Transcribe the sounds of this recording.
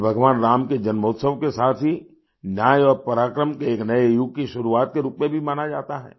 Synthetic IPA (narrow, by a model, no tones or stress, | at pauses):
bʱɐɡʋaːnɾaːmked͡ʒɐnmoːt̪səʋkesaːt̪ʰɦi | njaːjɔːɾpɐɾaːkɾəmkeeːknɐejuk̚ːkiʃʊɾuaːt̪̚keɾuːpmebʱimaːnad͡ʒa̰ːt̪aɦɛ̰ː